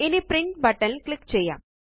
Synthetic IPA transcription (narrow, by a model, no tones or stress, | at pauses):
ɪnipɾɪɳʈ̚bɐʈːɐnlkɭɪkːt͡ʃɛjːa̰ːm